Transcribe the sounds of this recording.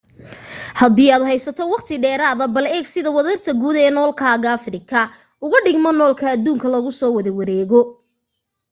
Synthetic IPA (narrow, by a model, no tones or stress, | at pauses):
hɐd̪iːaːd̪hɛjsɐt̪ʰɔwɑqt̪ʰɪɖɛːɾaːðɐbɐlɛːɡsɪðɐwɐðɐrt̪ʰɐɡuːd̪ɛːnɔːlkʰaːɣɐɐfrɪkʰɐ | ʊɣɐɖɪɡmɔnɔːlkʰɐːd̪ːuːŋkʰɐlɐɣʊsɔːwɐðɐwɐɾɛːɣɔ